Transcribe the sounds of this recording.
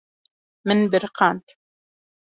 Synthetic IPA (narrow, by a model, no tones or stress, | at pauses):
mɪnbɪɾqɑːnt̪